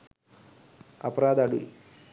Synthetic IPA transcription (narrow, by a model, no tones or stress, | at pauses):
ɐpɐɾaːd̪aːɽu